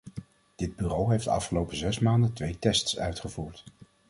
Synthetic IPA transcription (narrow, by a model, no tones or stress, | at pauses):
d̥ɪd̚byrowɦejftɑ̰fχəlowpəzɛsmaːndətʋejtɛstsœ̰ɥtχəvuːɹt